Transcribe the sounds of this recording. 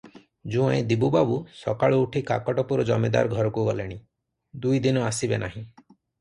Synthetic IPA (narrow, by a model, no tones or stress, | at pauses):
d͡ʒũẽd̪ibubabusɔkaɭɔuʈʰika̰kɔʈɔpuɾɔd͡ʒɔmed̪a̰ɾɔɡʱɔɾɔkuɡɔleɽ̃i | d̪ujd̪inɔasibenaɦĩ